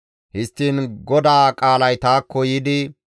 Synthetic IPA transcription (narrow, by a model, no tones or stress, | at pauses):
hɪst̪ːiːnɡɔd̪aːkʼaːlɐjt̪aːkːɔjɪd̪ɪ